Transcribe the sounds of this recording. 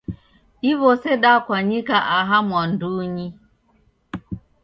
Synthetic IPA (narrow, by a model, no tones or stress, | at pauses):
iβɔseɗakwaɲikaʔaɦamwan̩duɲi